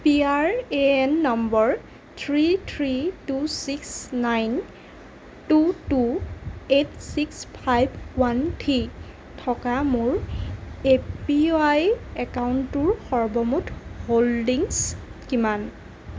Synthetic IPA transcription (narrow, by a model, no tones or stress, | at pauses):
piaɹeɛnːɔmbɔɹ | tʰɹitʰɹitusiksnajn | tutuetsikspʰajbwantʰi | tʰɔkamʊɹ | epiajɛkawntʊɹxɔɹbɔmutʰholdiŋskiman